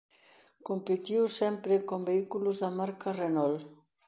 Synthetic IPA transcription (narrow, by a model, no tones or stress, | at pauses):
kompet̪iwsɛmpɾekombeikuluzðamaɾkarenɔl